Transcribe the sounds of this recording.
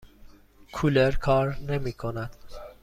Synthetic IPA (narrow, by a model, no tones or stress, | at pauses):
kʰuleɾkʰɒːɾne̞miːkʰonæd̪̥